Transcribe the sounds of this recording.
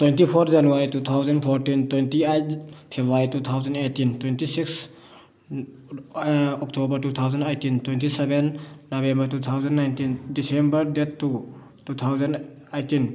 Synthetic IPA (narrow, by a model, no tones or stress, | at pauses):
twentipʰɔɾzanuaɾitut̪ʰawzənpʰɔɾʈintwentiapʰebuaɾitut̪ʰawzəndetintwẽntisiks | ɔktobəɾtut̪ʰawzənejtintwẽntisɛbenːɔbembəɾtut̪ʰawzənːajntindisembəɾd̪etːu | tut̪ʰawzɐn | ejtin